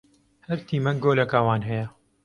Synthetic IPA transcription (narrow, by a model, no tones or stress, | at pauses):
hɐɾt̪ʰiːmɐkɡoːlɐkaːwaːnɦɐjɐ